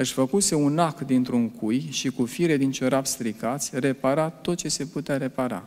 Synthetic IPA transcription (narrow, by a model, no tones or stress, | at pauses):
ɨʃfəkuse̞unakd̪int̪ɾuŋkujʃikufiɾe̞d̪int͡ʃoɾapst̪ɾikat̪sʲre̞paɾat̪o̞t̪̚t͡ʃe̞se̞put̪eaɾe̞paɾa̰